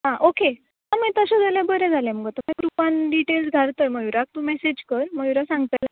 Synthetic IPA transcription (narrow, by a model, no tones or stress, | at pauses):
ɦãʔoke | amit̪əɕãd͡zaljabəɾɛ̃d͡zʱalɛ̃məɡət̪əmẽkɾupanɖiʈelsɡʱaɾt̪əməjuɾak̚t̪umesed͡ʑkəɾməɡjuɾasãŋɡt̪əla